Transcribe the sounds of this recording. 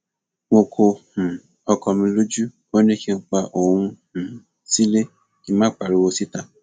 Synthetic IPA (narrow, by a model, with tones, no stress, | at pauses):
mo˧kʰo˧hũ˨ | ɔ˧kɔ˧mĩ˧lo˦d͡ʒu˦ | o˦nĩ˦ki˦˧k͡pa˧ʔo˨hũ˧hũ˨ | si˦le˦ | ki˦mãː˦k͡pa˨ɾu˨˦wo˧si˦ta˦˨